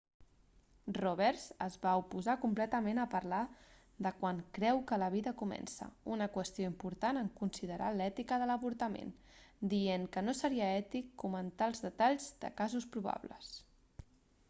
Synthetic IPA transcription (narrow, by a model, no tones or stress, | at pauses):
roβ̞ɛɾzəzβaupuzakumplɛt̪əmenəpəɾla | ðəkwaŋkɾɛwkələβ̞iðəkumɛ̰nsə̰unəkwəst̪ijoimpuɾt̪anəŋkunsiðəɾʔa̰lɛt̪ikəðələβuɾt̪əmḛn | d̪ieŋkənosəɾiəɛt̪ikːumənt̪alˠzðət̪aʎzd̪ə̰kazuspɾuβ̞a̰βlə̰s